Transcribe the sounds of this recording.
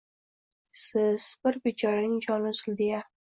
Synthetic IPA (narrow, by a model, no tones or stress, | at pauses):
sɪz̥bɪɾbet͡ʃʰɒɾanɪŋd͡ʒɒnʊzɪld̪ɪja